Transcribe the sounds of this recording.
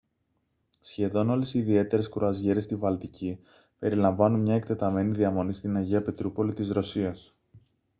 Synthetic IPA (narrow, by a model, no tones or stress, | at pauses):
sçe̞ðo̞no̞lesiːðie̞t̪e̞ɾe̞skɾuɐzʝe̞ɾest̪ivɐlt̪ici | pe̞ɾilɐɱvɐnunmɲɐe̞kt̪e̞t̪ɐme̞niðiɐmo̞nist̪inɐʝiɐpet̪ɾupo̞lit̪izɾo̞siɐs